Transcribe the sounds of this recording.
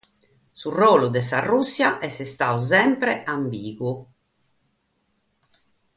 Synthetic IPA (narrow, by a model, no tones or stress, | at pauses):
suroːlud̪ɛsarːusːjaʔɛsɛst̪auz̬ɛmpɾɛambiːɣu